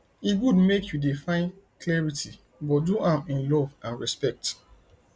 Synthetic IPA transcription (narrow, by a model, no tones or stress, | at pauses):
iɡudmekʰjudefãɪ̃n | klɛɹitʰi | bɔtduãmĩnlɔvãnɹɛspɛk̚t